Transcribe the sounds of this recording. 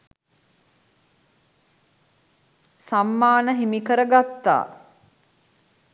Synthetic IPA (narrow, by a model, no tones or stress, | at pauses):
samːaːnəɦimikəɾəɡat̪ːa̰ː